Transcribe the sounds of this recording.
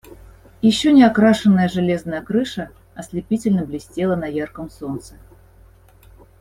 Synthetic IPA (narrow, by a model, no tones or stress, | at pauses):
jɪɕːonʲɪakɾaʂɨnːəjəʐɨlʲe̞znəjəkɾɨʂə | ɐslʲɪpʲitʲɪlʲnəblʲɪsʲtʲe̞lˠənɐjarkəmso̞nt̪sə̥